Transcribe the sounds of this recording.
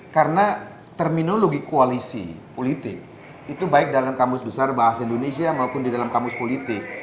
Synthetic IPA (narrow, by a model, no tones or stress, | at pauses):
kaɾəna | t̪ərminoloɡikoalisḭpolit̪ɪ̰k̚ | it̪ubaɪk̚dalamkampʊsbəsarbaɦasaindonesiamaupʊndidalamkampʊspolit̪ɪk̚